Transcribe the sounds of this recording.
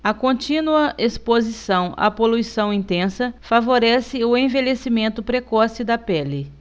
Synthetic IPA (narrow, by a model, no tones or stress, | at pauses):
ɐkõt͡ʃĩnuɐʔespozisɐ̃w̃ɐ̰poluisɐ̃w̃ĩnt̪ẽsɐfavoɾɛsɪʊẽvelesimẽnt̪ʊpɾekɔsɪd̪ɐpɛlɪ